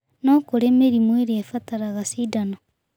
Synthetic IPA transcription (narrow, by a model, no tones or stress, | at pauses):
nokoɾemeɾimweɾiefataɾaɣasidana